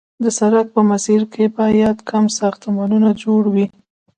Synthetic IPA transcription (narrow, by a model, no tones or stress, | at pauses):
d̪əsaɾak̚pəmasiɾkʰebɑjad̪kʰamsɑxt̪mɑnunad͡ʒoɽwi